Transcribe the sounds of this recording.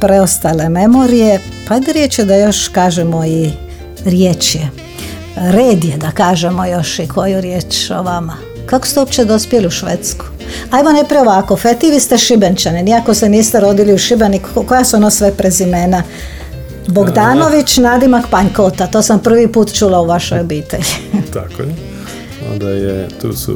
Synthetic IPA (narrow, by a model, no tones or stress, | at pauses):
pɾeost̪ale̞memo̞ɾije | paajd̪eɾjeːt͡ʃjed̪ajo̞ʃkaːʒemoi | ɾjeːt͡ʃje | ɾeːd̪ijed̪akaːʒemo̞jo̞ʃikʰo̞juɾjeːt͡ʃo̰ʋama | kako̥st̪eopt͡ʃed̪ospjeliuʃʋḛt̪sku̥ | ajʋonepɾioʋakofet̪iʋist̪eʃibent͡ʃaneniako̞seniːst̪eɾo̞d̪iliuʃibenikkojasuonosʋepɾezimeːna | boɡd̪aːno̞ʋit͡ʃnad̪imakpaɲkot̪at̪oːsampr̩ʋipuːt̪t͡ʃulauʋaʃojobiːt̪ḛʎit̪a̰ko̰je | o̰nd̪ajet̪ṵːsṵ